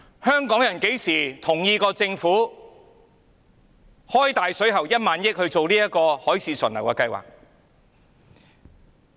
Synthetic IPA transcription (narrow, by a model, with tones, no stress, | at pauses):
hœː˥ŋkɔː˨˥ŋjɐ˨˩nke˨˥jsiː˨˩t̪ʰʊ˨˩ŋjiː˧kɔː˧t͡sɪ˧ŋfuː˨˥ | hɔː˥jt̪aː˨jsɵ˨˥ɥɦɐ˨˩wjɐ˥t̚maː˨˥njɪ˥k̚hɵ˧ɥt͡so˨wliː˥jɐ˥kɔː˧hɔː˨˥jsʰiː˨˧sɵ̰˨˩nlɐ˨˩wkɛː˧kɐ˧jwa̰ː˨k̚